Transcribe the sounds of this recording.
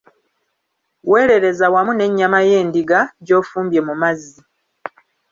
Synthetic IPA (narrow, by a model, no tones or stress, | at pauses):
we̞ːɾe̞ɾe̞zawamune̞ɲːamaje̞ːndiɡaɟo̞ːfuːmbje̞mumazːi